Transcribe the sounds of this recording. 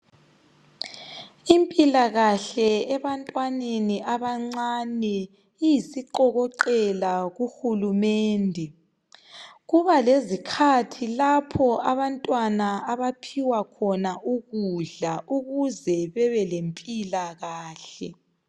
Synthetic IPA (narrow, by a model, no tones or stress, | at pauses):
impʼilaɣaɬɛɛβantʼwaneniaβaŋ͡ǀanɛ | ijisiǃɔɣɔǃɛlaɣuxulumɛːndʱɛ | ɣuβalezikʰatʰilapʰɔaβantʼwanaaβapʰiwakʰɔnaʔuɣuɮaʔuɣuzɛβɛβɛlempʼilaɣaːɬɛ